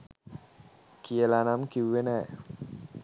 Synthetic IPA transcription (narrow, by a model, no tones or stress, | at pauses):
kijəlanamkiʋʋenæː